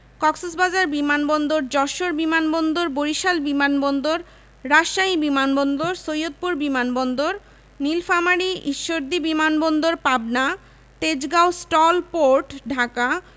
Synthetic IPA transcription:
kɔksosbad͡ʑaɾbimanbɔnd̪oɾd͡ʑɔʃoɾbimanbɔnd̪oɾboɾiʃalbimanbɔnd̪oɾː | aʃaɦibimanbɔnd̪oɾsojot̪̚puɾbimanbɔnd̪oɾ | nilfamaɽiiʃːoɾd̪ibimanbɔnd̪oɾpabna | t̪ed͡ʑɡawsʈɔlpoɾʈɖʱaka

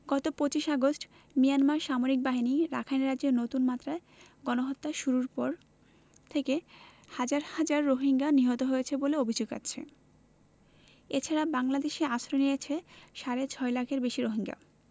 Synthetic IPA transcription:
ɡɔt̪opot͡ɕiʃaɡosʈ | mijanmaɾʃamoɾik̚baɦiniɾa̰kʰajnɾaenot̪unmat̪ːɾae | ɡɔnoɦot̪ːaʃuɾuɾpɔɾ | t̪ʰekehad͡ʑaɾhad͡ʑaɾːoɦiŋɡaniɦɔt̪oɦojet͡ɕʰeboleobʱid͡ʑoɡa̰ːt͡ɕʰḛ | et͡ɕʰaɾabaŋlad̪eʃeasɾonijet͡ɕʰeʃaɾet͡ɕʰɔelakʰeɾbeʃiɾoɦiŋɡa̰

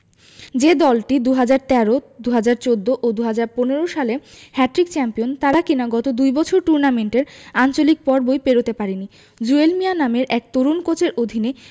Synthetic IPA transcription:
d͡ʑed̪ɔlʈid̪uɦad͡ʑaɾt̪ɛɾod̪uɦad͡ʑaɾt͡ɕod̪ːoʔod̪uɦad͡ʑaɾponeɾoʃalehɛʈɾik̚t͡ɕɛmpijont̪aɾakinaɡɔt̪od̪ujbɔt͡ɕʰoɾʈuɾnameɳʈeɾant͡ɕolik̚pɔɾbojpeɾot̪epaɾini | d͡ʑuelmijanameɾʔɛk̚t̪oɾunkot͡ɕeɾʔod̪ʱine

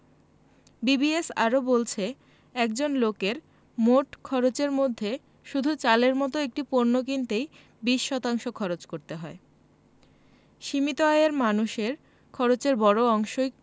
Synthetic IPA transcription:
bibiesa̰ɾobolt͡ɕʰe | ɛkd͡ʑonlokeɾ | moʈkʰɔɾot͡ɕeɾmod̪ʱːe | ʃud̪ʱut͡ɕaleɾmɔt̪oek̚ʈipoɾnok̬int̪ej | biʃːɔt̪aŋʃokʰɔɾot͡ɕkoɾt̪eɦɔe | ʃimit̪oajeɾmanuʃeɾ | kʰɔɾot͡ɕeɾbɔɾoɔŋʃo

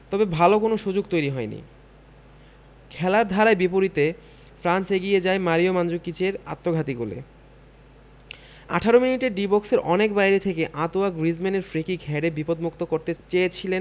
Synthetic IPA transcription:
t̪ɔbebʱalokonoʃud͡ʑoɡ̚t̪ojɾiɦɔenḭ | kʰɛlaɾd̪ʱaɾaebipoɾit̪e | fɾanseɡied͡ʑaemaɾiomand͡ʑokːit͡ɕeɾa̰t̪ːoɡʱat̪iɡolḛ | a̰ʈʰaɾominiʈeɾɖibɔkseɾɔnekbajɾet̪ʰekeʔat̪oaɡɾizmeneɾfɾekiɡʱɛɖebipod̪mukt̪okoɾt̪et͡ɕejet͡ɕʰilen

